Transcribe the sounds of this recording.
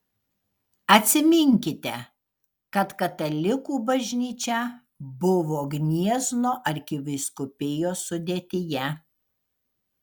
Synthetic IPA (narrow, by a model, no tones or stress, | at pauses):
ɐt̪ʲsʲɪmʲɪŋʲkʲɪt̪ʲɛ | kɐt̪kɐt̪ɐlʲɪkuːbɐʒʲnʲiːt͡ʃʲɛ | bʊʋoːɡnʲiɛznoːʔɐɾʲkʲɪʋɐɪskʊpʲɪjoːsʊd̪ʲeːt̪ʲɪjɛ